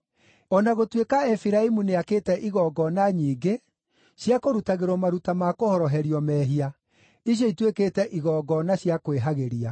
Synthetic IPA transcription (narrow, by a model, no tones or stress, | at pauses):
ɔnaɣotwekaɛfiɾaimuneakeːtɛʔiɣɔɡɔnaɲiːɡe | ɕjakoɾutaɣeɾwɔmaɾutamakohɔɾɔɦɛɾiɔmɛːɦia | iɕ̬jɔitwekeːtɛʔiɣɔːɡɔnaɕjakoweɦaɣeɾia